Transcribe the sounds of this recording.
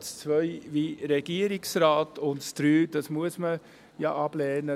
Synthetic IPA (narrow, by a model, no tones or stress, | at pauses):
st͡svœʏʋiɾɛɡ̥iəɾɪksɾaːtʰʊntstɾyːd̥ɑsmuəsmə | jɑ̰ʔɑb̥lɛːnə